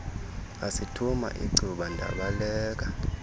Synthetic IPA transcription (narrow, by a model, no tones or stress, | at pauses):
asitʰuma̰ʔḭɡ͡ǀʱuɓandʱa̰ɓalɛːk̬a